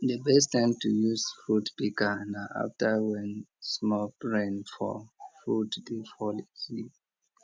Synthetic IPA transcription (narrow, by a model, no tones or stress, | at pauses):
dəbɛs̬tãɪmtujusfɹudpikanaʔa̰ftawɛ̃nsmɔpɹẽnfɔ̰fɹudd̥ifɔlisi